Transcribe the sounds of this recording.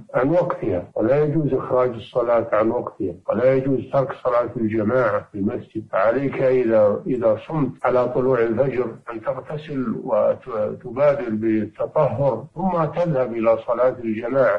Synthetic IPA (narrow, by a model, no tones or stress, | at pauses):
ʕanwɑɡt̪ɪhawɪlajad͡ʒuːzʔɪxɾˤɑːd͡ʒɨsˤːɑlɑːt̪ʕanwɑɡt̪ɪhawɪlajad͡ʒuːzt̪ʰɑɾˤksˤɑlaːt̪ɪld͡ʒamaːʕafɪlmasd͡ʒɪd̪̚faʕaleːkaʔɪðaʔɪðasˤʊmt̪ʕalat̪ˤʊluːʕɪlfad͡ʒɾʔɪnt̪ɪɣt̪ʰasɪlwɪt̪ʊbaːd̪ɪɾbɪt̪ʰːɑt̪ˤɑɦːʊɾθʊmːat̪ɪðhabʔɪlasˤɑlɑːt̪ɪld͡ʒamaːʕa